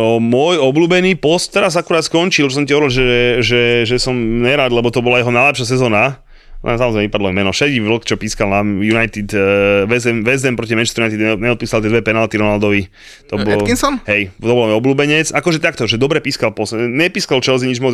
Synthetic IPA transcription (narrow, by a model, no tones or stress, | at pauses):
mʊɔjɔbluːbɛniːpɔst̪ːɛɾazakuɾaːt̪skɔɲt͡ʃilt͡ʃɔsɔmcaɔʋɾilʒɛʒɛʒɛsɔmɲɛɾad̪lɛbɔt̪ɔbɔlajɛɦɔnajlɛpʃas̬ɛzɔːna̰ | samɔzɾɛɪmɛipad̪lɔamɛnɔfʃɛd͡ʑiʋl̩kt͡ʃɔpiːskalnamjunajt̪id̪ʋɛzɛmʋɛzɛmpɾɔc̬imɛnt͡ʃst̪ɾunajt̪id̪ɛɲɛɔt̪̚piːsalt̪ɪɛd̪ʋɛpɛnalt̪iɾɔnald̪ɔʋi | t̪ɔbɔkisɔnɦɛjt̪ɔbɔlmɔjɔbluːbɛɲɛt͡sakɔʒɛt̪akt̪ɔʒɛd̪ɔbɾɛpiːskalpɔst̪ɲɛpiːskalt͡ʃɛlziɲid͡ʒmɔ